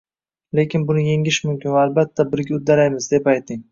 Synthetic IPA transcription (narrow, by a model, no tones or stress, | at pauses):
le̞kʲɪnbʊnɪje̞ŋɪʃmʊmkʲɪnvaːlbat̪ʰːabɪɾɡʲaʊd̪aɾajmɪzd̪e̞pajt̪ʰɪŋ